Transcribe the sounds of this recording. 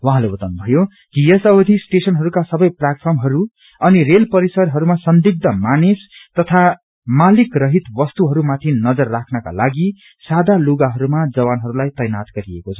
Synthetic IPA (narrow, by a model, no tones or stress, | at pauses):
wʌɦãlebʌt̪ʌnbʱʌjo | ɡiesʌwd̪ʱisʈesʌnɦʌɾukasʌbʌjpljaʈ̚pʰʌrmɦʌɾu | ʌnirelpʌɾisʌrɦʌɾumasʌnd̪iɡ̚d̪ʱʌmanest̪ʌt̪ʰa | malikrʌɦit̪bʌst̪uɦʌɾumat̪ʰinʌd͡zʌrːakʰnʌka̰laɡi | sad̪ʱaluɡaɦʌɾumad͡zʌwanɦʌɾulajt̪ʌjnat̪ɡʌɾiekot͡sʰʌ̥